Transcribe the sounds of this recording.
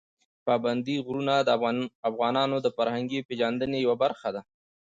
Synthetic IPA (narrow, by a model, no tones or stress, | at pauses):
pɑband̪iɣɾunad̪əafɣɑnɑnod̪əfaɾhaŋɡipeʒand̪ənejawabaɾxad̪a